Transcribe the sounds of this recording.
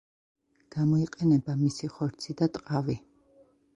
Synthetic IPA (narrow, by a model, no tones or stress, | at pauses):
ɡ̥amɔiqʼɛnɛbamisiχɔɾt̪sʰid̪at̪ʼqʼavi